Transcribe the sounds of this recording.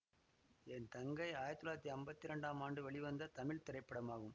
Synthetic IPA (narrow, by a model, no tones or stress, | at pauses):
ɛnt̪ɐŋɡɐɪaːjɐɾt̪ːɯlaːɾɐt̪ːiɐmbɐt̪ːɪɾɐɳɖaːmaːɳɖɯʋɐɭɪʋɐnd̪ɐt̪ɐmɪɭt̪ɪɾɐɪpːɐɽɐmaːɣɯm